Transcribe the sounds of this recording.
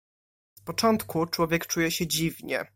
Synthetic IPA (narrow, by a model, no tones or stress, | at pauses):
spɔt͡ʂɔnt̪kʰut͡ʂwɔvʲjɛkt͡ʂujɛɕɛd͡ʑivɲɛ̰